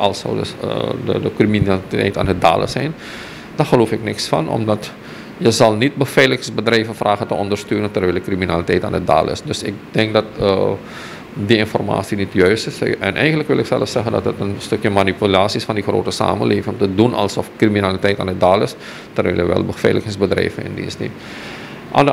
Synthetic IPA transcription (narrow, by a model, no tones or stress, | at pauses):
ʔɑlˠsɔ̰wdə̰ədəkriminaltɛ̰jta̰ːndəda̰ːlə̰sɛjn | d̥arxəloːfɪknɪksfɑ̰nʔɔ̰mdɑt | jəzɑlˠnit̚bəfɛjləxsbədrɛjvənfraːɣəntəɔndərstøːnəntɛrʋɪlˠəkriminalitɛjta̰ːndəda̰ːlɪ̰sdɵsɪ̰k̚dɛŋk̚dɑtə | diɪnfɔ̰rma̰ːsinitjœɥstɪsɛ̰nʔɛ̰jxəntləkʋɪlɪksɛləfsɛɣəndɑtətənstɵkjəmanipylaːsisfɑndixro̰ːtəsa̰ːmə̰nlʔeːvɪŋŋtədunɑ̰lˠsɔfkriminalitɛjta̰ːnədaːlɪs | tərʋɪ̰ljəʋɛ̰lˠbəfɛ̰jləxɪŋsbədrɛ̰jvənɪ̰ndḭnsnḭt | ʔa̰n